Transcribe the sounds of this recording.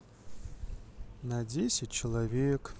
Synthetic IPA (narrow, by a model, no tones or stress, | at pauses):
nadʲesʲɪt̚ʲt͡ʃɪlˠavʲek